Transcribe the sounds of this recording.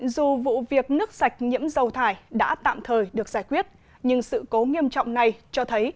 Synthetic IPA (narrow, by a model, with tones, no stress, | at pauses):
zu˨˩vṵ˧˨vi˨˩ək̚nɨ˦˥ək̚sa˨˩jk̟̚ɲḭ˧˥əmzə˨˩wt̪ʰaː˧˩jɗa̰ː˧˥t̪a̰ː˧˨mt̪ʰəː˨˩jɗɨ˨˩əkzaː˧˩jkwi˦˥ət̚ | ɲɨ˧ŋsɨ̰˧˨ko˨˦ŋi˧əmt͡ɕɔ̰˧˨wŋ͡mna˨˩jt͡ɕɔ˧t̪ʰə˨˦j